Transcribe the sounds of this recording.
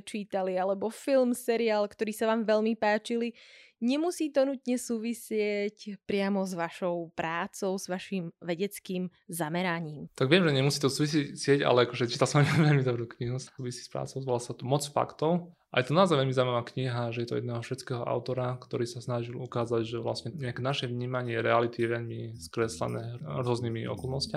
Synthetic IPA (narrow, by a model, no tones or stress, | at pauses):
t͡ʃiːt̪alialɛbɔfilmsɛɾiaːlkt̪ɔɾiːsaʋaːmʋɛʎmipaːt͡ʃiliɲɛmusiːt̪ɔnut̪ɲɛsuːʋisɪɛcpɾɪamɔzʋaʃɔʊpɾaːt͡sɔʊzʋaʃiːmʋɛɟɛt͡skiːm | zamɛɾaɲiːmt̪aɡʋɪɛmʒɛɲɛmusiːt̪ɔsuːʋis̬icsɪɛɟa̰lɛakɔʒɛt͡ʃi̥t̪alsɔmaɲiaʋɛʎmid̪ɔbɾuːkɲiɦussuːʋisi̥spɾa̰ːt͡sɔʊzʋɔlasat̪ɔmɔt͡sfa̰kt̪ɔʊ | ʔajɛt̪ɔnaːzaʋɛʎmizaːmamakɲiɦaʒɛjɛt̪ɔ̰jɛ̰d̪nɛːɦɔfʃɛt͡skɛːɦɔʔa̰ʊt̪ɔɾakt̪ɔɾiːsasnaʒilukaːzaɟʒɛʋla̰sɲɛɲɛakɛnaʃɛʋɲiːmaɲɪɛɾɛalit̪ijɛʋɛʎmiskɾɛslɛ̰nɛ̰ːɾʊɔzniːmiʔɔ̰kɔlˠnɔsca